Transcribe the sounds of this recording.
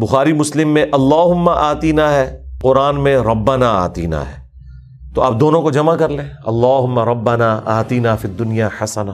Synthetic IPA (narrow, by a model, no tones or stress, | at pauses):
bʊxaːɾimʊslɪmːẽʔɐlːaːɦʊmːaʔaːt̪inaɦɛːqʊɾaːnmẽɾɐbːɐnaːa̰ːt̪ḭna̰ɦɛ̰ː | t̪oaːp̚d̪oːnõkod͡ʒɐmakɐɾlẽːɐlːaːɦʊmːaɾɐbːɐnaːʔaːt̪inaːfid̪ːʊnijaːħɐsɐnaː